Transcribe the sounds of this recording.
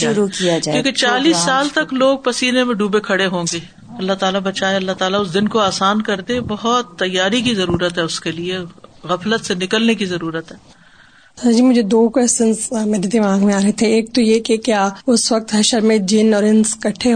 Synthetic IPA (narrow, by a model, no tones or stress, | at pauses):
ʃʊɾukijakjõːket͡ʃaːliːsːaːlt̪ɐkloːɡ̚pɐsiːɾemẽɖuːbekʰɐɽeɦõːŋɡeː | ɐlːat̪aːlabɐt͡ʃaːeɐlːat̪aːlaʊs̬d̪ɪnkoaːsaːnkɐɾd̪ẽbɐɦɔt̪ːɐjːaːɾikizɐɾuːɾət̪ɦɛʊskelieɣɐflət̪senɪkəlnekizɐɾuːɾət̪ɦɛː | sɐɾd͡ʒiːmʊd͡ʒʱed̪oːkwɛːsʈənsmeːɾed̪ɪmaːɡmẽaːɾɐɦet̪ʰeeːk̚t̪ojekekjaːʊsʋɐk̚t̪ɦɛʃəɾmẽd͡ʒɪnɔːɾɪnskɐʈʰe